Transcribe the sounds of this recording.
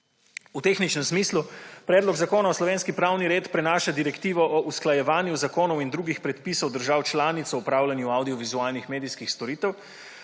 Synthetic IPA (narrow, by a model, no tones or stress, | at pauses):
ut̪eːxnit͡ʃnɛmsmiːslupɾɛːd̪lɔɡzakoːnaɔslɔʋeːnskipɾawniɾeːt̪pɾɛnaːʃad̪iɾɛkt̪iːʋɔʔɔʔusklajɛʋaːnjuzakoːnɔwind̪ɾuːɡixpɾɛt̪piːsɔwd̪əɾʒaːwt͡ʃlaːnit̪sɔupɾawlʲanjuawd̪iɔʋizuaːlnixmeːd̪iskixst̪ɔɾiːt̪ɛw